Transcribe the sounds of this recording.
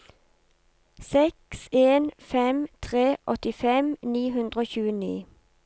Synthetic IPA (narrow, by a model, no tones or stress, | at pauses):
sɛkseːnfɛmt̪ʰʁeːʔɔt̪ɪfɛmniːɦʉnd̪ʁəoːçʉːənḭː